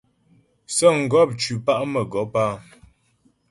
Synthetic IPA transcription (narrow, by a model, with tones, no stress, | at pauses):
sɔ˦˨ŋ̩˨ɡɔ˦p̚t͡ʃʉ˨pa˦˨ʔmə˨ɡɔ˨˦paː˦